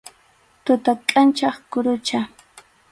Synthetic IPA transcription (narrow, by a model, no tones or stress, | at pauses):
t̪ʊt̪akʼant͡ʃɑχkʊɾʊt͡ʃa